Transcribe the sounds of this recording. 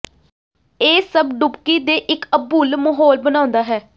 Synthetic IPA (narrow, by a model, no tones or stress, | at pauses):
eːsəbɖʊpkiːd̪eːʔɪkəbːuːlməɦoːlbənãːʊnd̪aːɦɛː